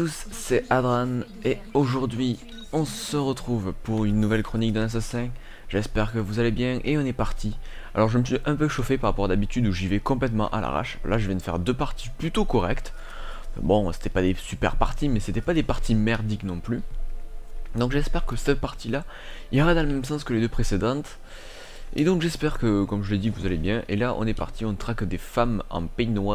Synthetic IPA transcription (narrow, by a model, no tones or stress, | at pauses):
t̪usːɛad̪ʁan | eoʒuʁd̪ɥi | ɔ̃səʁət̪χuvpuʁynːuvɛlkχɔnik̚d̪ɛ̃nasasɛ̃ | ʒɛspɛʁkəvuzalebjɛ̃ʔeɔ̃nɛpaʁt̪ʰi | a̰lɔʁʒəməsɥiʔɛ̃pøʃɔfepaʁapɔʁad̪abit̪yd̪uʒivɛkɔ̃p̬lɛt̪mɑ̃ʔa̰la̰ʁa̰ʃlaʒəvɛ̃d̪əfɛ̰ʁd̪øpaʁt̪iplyt̪okɔʁɛkt̪ | bɔ̃se̥t̪ɛpad̪esypɛ̰ʁpa̰ʁt̪imɛset̪ɛpad̪epaʁt̪ʰimɛʁd̪iknɔ̃ply | d̪ɔ̃kʒɛspɛʁkəsəpaʁt̪ila | iləʁad̪ɑ̃ləmɛmsɑ̃skəled̪øpχesed̪ɑ̃t̪ | ḛd̪ɔ̃ŋkʒɛspɛʁkəkɔmʒəled̪ivuzalebjɛ̃ʔḛlaʔɔ̰̃nɛpa̰ʁt̪ʰiɔ̃nt̪ʁakd̪efamɑ̰̃pɛjnwa